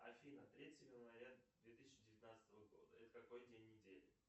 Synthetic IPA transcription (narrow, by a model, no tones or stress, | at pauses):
ɐ̰fʲinət̪ɾʲetʲɪvʲɪnvɐɾʲad̪vʲet̪ɨ̥sʲɪt͡ɕːɪdʲɪvʲɪt̪nat̪sə̥t̪əvəɡo̞̰d̪əɛt̪ə̥kɐko̞jdʲenʲːɪdʲelʲɪ